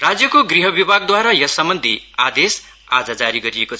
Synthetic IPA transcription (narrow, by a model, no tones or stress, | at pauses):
rad͡zjʌkoɡriɦʌbibʱaɡ̚d̪waɾajʌsʌmbʌnd̪ʱiad̪es | a̰d͡zʌd͡zaɾiɡʌɾiekot͡sʰ